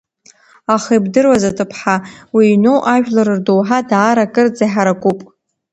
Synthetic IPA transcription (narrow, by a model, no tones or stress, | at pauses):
aχajbdɨrwazatʼɨpʰħawiːnowʔaʒᶣlaɾɨrdowħadaːɾakʼɨrd͡zaħaɾakʷʼupʼ